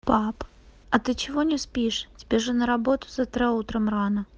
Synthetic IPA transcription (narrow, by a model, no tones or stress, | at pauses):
pap | ɐt̪ɨt͡ɕɪvonʲɪspʲiʂtʲɪ̥bʲeʐɨnəɾɐbo̞t̪ʊ̥zɐt̪ɾʲɛut̪ɾəmranə